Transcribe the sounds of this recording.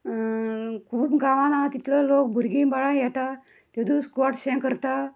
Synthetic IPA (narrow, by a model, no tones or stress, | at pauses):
kʰuːbɡãʋanat̪it̪ləlok̚bʱuɾɡĩbaɭãjɛt̪a | t̪ed̪uskɔʈɕɛ̃kəɾt̪a